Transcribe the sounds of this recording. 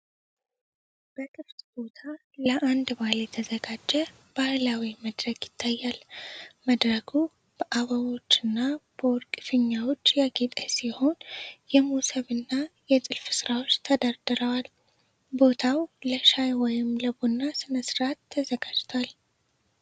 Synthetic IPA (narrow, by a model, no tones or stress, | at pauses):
b̥əkʰʼɨft̪ʼbo̞t̪ʰa | ləʔand̪baljɛt̪ʰəzəɡad͡ʒːɛ | b̥ahlawiməd̪ɾəɡjɪt̪ʰːajːalməd̪ɾəɡu | b̥əʔaβəwo̞t͡ʃːɨnːab̥əwɔɾkʼɨfɨɲːawot͡ʃːjaɡet̪ʼesiho̞njɛmusəβɨnːajɛt̪ʼɨlfɨsɨɾawo̞t͡ʃːt̪ʰəd̪aɾd̪ɨɾəwal | bo̞t̪ʰawləʃajwɔjɪmləbonːasɨnəsɨɾat̪ʰːəzəɡad͡ʒt̪ʰwal